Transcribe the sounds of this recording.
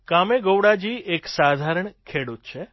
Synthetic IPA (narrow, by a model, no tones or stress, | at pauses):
kameɡowɽad͡ʒieksad̪ʱaɾəɳkʰeɽut̪̚t͡ʃʰe